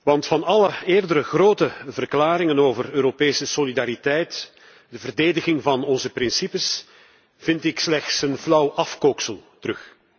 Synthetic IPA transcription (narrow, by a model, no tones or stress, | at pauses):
ʋɑntfɑnɑləeːrdəɾəɣroːtəvərklaːɾɪŋənoːvərøːɾopeːsəsolidaːɾitɛjt | dəvərdeːdəɣɪŋvɑnɔnzəprɪnsipəs | v̥ɪntɪkslɛxtsənflʌwʔɑfkoksəlˠtərɵx